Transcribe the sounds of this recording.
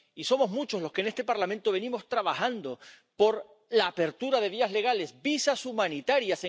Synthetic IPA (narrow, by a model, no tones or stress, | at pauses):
iso̞mo̞zmut͡ʃo̞zlo̞ske̞ne̞st̪e̞paɾlamẽ̞nt̪oβe̞nĩmost̪ɾaβahand̪o | po̞ɾ | laːpe̞ɾt̪uɾað̞e̞β̞iazle̞ɣ̞ale̞zbisasumãnit̪aɾjase